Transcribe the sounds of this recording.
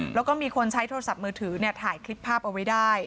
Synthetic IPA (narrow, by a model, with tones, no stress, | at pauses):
lɛː˦˥wkɔː˥˩miː˧kʰo˧nt͡ɕʰa˦˥jt̪ʰoː˧a˧sa˨˩p̚mɯː˧t̪ʰɯː˩˦ni˥˩ɐt̪ʰaː˩˦jkʰli˦˥pʰːaː˥˩p̚ʔa˧wa˦˥jdaː˥˩j